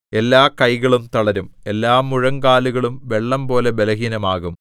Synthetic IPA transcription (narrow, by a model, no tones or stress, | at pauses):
e̞lːaːkɐjɣɐɭumt̪ɐɭɐɾume̞lːaːmːuɻɐŋɡaːluɣɐɭumʋe̞ɭːɐmpo̞ːle̞be̞lɐɦiːnɐmaːɣum